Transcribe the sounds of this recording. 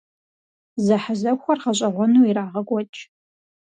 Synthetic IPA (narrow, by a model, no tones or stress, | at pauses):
zɐħazɐxʷɐrʁɐɕʼɐʁʷɔnuːiɾaːʁɐɡʷɔt͡ʃʼ